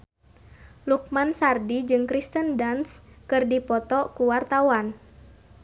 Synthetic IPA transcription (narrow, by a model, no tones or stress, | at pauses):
luk̚mansardid͡ʒɨŋkɾist̪əndanskɨrdipɔt̪ɔkuwart̪awan